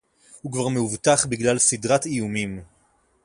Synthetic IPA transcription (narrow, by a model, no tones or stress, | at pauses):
hukvaʁmeuvt̪aχbiɡlalsidʁat̪ijumim